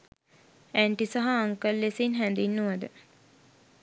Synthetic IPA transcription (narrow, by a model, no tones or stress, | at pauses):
æɳʈisaɦaːŋkəlːesinɦænd̪inːuʋəd̪ə